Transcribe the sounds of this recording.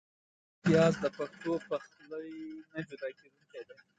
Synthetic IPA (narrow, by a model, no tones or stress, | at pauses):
ɪt̪ijɑzd̪əpaxt̪opax | ləjnad͡ʒud̪ɑked̪ulked̪e